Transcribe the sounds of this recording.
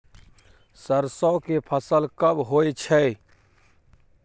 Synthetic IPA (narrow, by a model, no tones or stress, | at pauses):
səɾsɔːkepʰəsəlkəbɦoet͡ʃʰɛ